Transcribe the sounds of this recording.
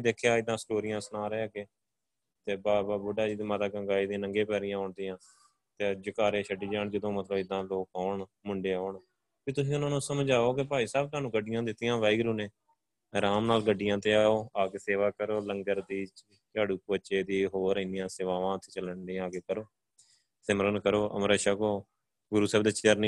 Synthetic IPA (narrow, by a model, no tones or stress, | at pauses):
d̪eːkʰejaːɪd̪ːãːsʈoːɾɪjãːsnaːɾɛːaːɡeː | t̪eːbaːbaːbʊɖaːd͡ʒiːd̪iːmət̪aːkə̃ŋɡaːiːd̪ĩːnəŋɡeːpɛːɾɪjãːɔːɳd̪ɪjãː | t̪eːd͡ʒəkaːɾeːʃʰəɖiːd͡ʒaːɳd͡ʒɪd̪õːmət̪ləbɪd̪ːãːloːkɔːɳ | mʊɳɖeːaːɳ | piːt̪ʊs̬ĩːʊnãːnũːsəmd͡ʒaːoːkɪpaːiːsaːb̚t̪aːnũːɡəɖːɪjãːd̪ɪt̪ːɪjãːʋaːiɡɾuːneː | ɾaːmnaːlɡəɖːɪjãːt̪eːaːoːaːɡeːseːʋaːkəɾoːləŋɡəɾd̪iːt͡ʃ | t͡ʃaːɽuːkːətːʃeːd̪iːɦoːɾiːnɪjãːseːʋaːʋãːət̪ʰːe̥ːt͡ʃələɳɖĩaːɡeːkəɾoː | sɪməɾənkəɾoːʔə̰mɾəːʃəkoː | ɡʊɾuːsɛːbd̪eːt͡ʃɪəɾni